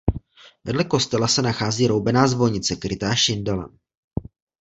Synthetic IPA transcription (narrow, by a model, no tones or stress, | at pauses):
vɛdlɛko̞st̪ɛlasɛnaxaːziːɾowbɛnaːzvo̞ɲɪt͡sɛkɾɪt̪aːʃɪndala̰n